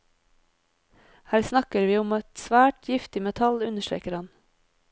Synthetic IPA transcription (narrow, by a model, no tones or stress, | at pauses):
hæːɾsnɑkəɾʋiːʊmɛt̪sʋæːʈjɪft̪ɪmɛt̪ʰɑlʉnəʃtɾḛːkəɾhɑn